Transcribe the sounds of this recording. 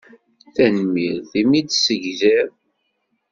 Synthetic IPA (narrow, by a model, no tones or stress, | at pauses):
θænmiɾðimid̪səʝðəɾ